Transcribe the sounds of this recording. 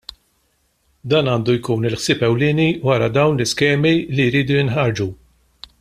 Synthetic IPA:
d̪ɐːnɐːnd̪ujkuːnɪlħsɪːpɛwlɪːniwɐɾɐd̪ɐwnlɪskɛːmilijɾiːd̪ujɪnħɐɾd͡ʒu

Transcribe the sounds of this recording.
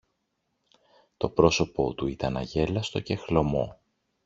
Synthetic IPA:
t̪o̞pɾo̞so̞po̞t̪uit̪ɐnɐ̰ʝe̞lɐst̪o̞ce̞xlo̞mo̞̰

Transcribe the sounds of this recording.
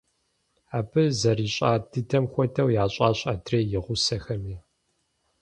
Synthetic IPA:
aːbʰɨzɐriːɕʼa̰ːdʰɨtʰɐmxʷɔtʰɐwjaːɕʼaːɕʼaːtʰreːjɪʁʷʊsɐxɐmiː

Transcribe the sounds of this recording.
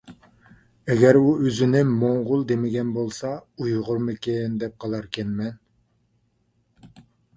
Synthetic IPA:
ɛɡʲɛɾuøzɪnɪmoɴʁʊlˠd̪emɪɡʲɛnbolˠsɑujʁʊɾmɨkʲɪnd̪ɛp̚qʰɑlˠɑɾkʲʰɛnmɛn

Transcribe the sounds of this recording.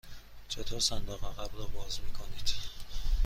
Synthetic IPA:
t͡ʃʰet̪ʰoɾsænd̪ɒːɣæʁæbɾɔːbɒːzmiːkʰonid̪̥

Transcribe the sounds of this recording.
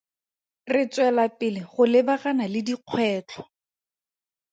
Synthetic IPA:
rɪt͡swɛlapɪlɪχʊlɪbaχanalɪdiq͡χʰwɛːt͡ɬʰɔ̥

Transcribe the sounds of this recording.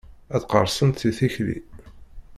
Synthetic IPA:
æðqəɾˤsənt̪θiθiçlḭ

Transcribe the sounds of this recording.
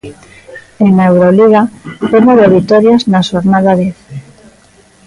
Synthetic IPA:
eŋaewɾoliɣat̪emoðeβit̪oɾjaznaʃoɾnaðaðeθ

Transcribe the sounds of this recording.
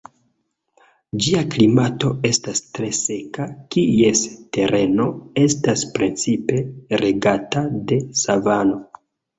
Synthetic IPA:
d͡ʒiaklimato̞e̞stastɾe̞se̞kakie̞ste̞ɾe̞noe̞staspɾint͡sipe̞ɾe̞ɡatade̞savano̞

